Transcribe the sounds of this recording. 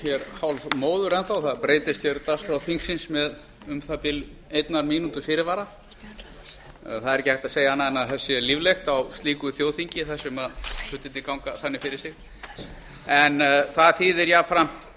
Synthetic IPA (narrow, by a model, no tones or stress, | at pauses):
çɛɾhawlmoːwðʏɾɛnθawθaðpɾeːjt̪ɪst̪çɛɾt̪ast̪ɾawθiŋksɪnsmɛð | ʏmθap̪ɪl | ejt̪naɾmiːnut̪ʏfɪːɾɪɾvaːɾa | θaðɾɛçcːɪhaht̪aðsejahanːaðɛnːaðθɛsːɪlivlext̪awst̪liːkʏθjoːwθiɲcɪθɛsːʏmaðfʏht̪ɪt̪ːɪkawŋkaθanːɪfɪɾɪɾ̥sɪx | ɛnθaðθiːðɪɾjaːfɾam